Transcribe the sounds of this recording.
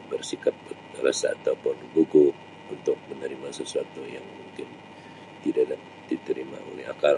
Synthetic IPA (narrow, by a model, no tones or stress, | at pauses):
bərsikat̪̚ | ra̰sa̰ːt̪apʊnɡuɡu | unt̪ʊk̚mənəɾimasəsuat̪ujaŋmuŋkɪn | t̪idaʔla | d̥it̪əɾima̰o̰lɛɦakal